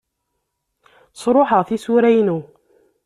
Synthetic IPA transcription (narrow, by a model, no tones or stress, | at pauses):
sˤɾˤoħəʁθisuɾæjnu